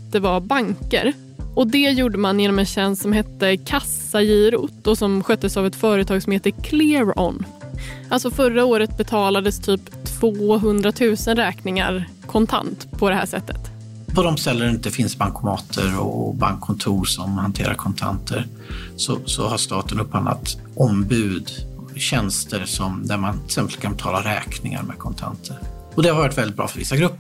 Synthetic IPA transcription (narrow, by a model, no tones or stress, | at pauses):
d̪̥ɛvabaŋkə̰ɾ | ɔd̪ɛjuːɖəmanjeːnɔmɛnɕɛnssɔmɦɛt̪ːəkʰasːajiːɾṵt̪ːɔsɔmɧœt̪ːəsavɛt̪fœːɾət̪ʰɑːɡsɔmheːt̪ːəkʰlɪːɾɔ̰nʔalt̪sɔfœɾːaoːɾət̪̚bɛt̪ʰɑːlad̪əst̪ʰyːpt̪ʰv̥oːɦɵnd̪ɾat̪ʰʉ̟ːsənɾɛːknɪŋa̰ɾ | kʰɔnt̪ʰa̰nt̪pʰɔd̪ɛhæ̰ːʂɛ̰t̪ːə̥̰t̪ | pʰɔd̪ɔmsɛlːəɾɪnt̪əfɪnsbaŋkʰʊmɑːt̪ʰəɾɔ̰ba̰ŋkʰːɔnt̪ʰuːɾʂɔmhant̪ʰeːɾa̰ɾkʰɔnt̪ʰa̰nt̪ʰəɾ | sɔsɔ̰haʂt̪ɑːt̪ənɵpːhanla̰t̪ | ʔɔmbʉ̟ːd̪ | ɕɛnst̪əɾsɔmd̪æɾmanʰɪ̥sɛmpəlt̪kʰanbɛt̪ʰɑ̰ːlaɾɛːknɪŋa̰ɾmɛ̰d̪kʰɔnt̪ʰa̰nt̪ʰəɾ | ɔd̪ɛhaɾvjɔʈvɛlɪt̪̚bɾɑːfœɾvɪ̰sːaɡɾɵpːə